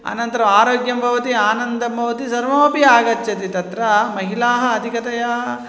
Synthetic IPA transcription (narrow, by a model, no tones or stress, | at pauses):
ɐ̰nɐnt̪ɐɾɐmaːɾoːɡjɐmbʱɐʋɐt̪iaːnɐnd̪ɐmbʱɐʋɐt̪isɐɾʋoːpiaːɡɐt͡ʃʰːɐt̪it̪ɐt̪ɾɐmɐɦilaːɦɐːd̪ʱikɐt̪ɐjaːɦɐ